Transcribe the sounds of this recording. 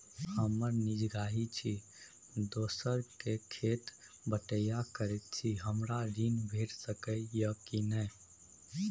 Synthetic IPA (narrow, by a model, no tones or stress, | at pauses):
həməɾnid͡ʒɡaɦit͡ʃʰi | d̪oːsəɾkekʰet̪ | bəʈəjakəɾɛt̪̚t͡ʃʰiɦəmɾaɾinbʱeʈsəkəjəkinəɪ